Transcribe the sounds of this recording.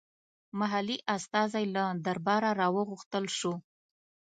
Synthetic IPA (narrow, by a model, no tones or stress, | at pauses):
maɦaliʔast̪ɑzajlad̪aɾbɑɾaɾɑwəɣʊxt̪əlʃu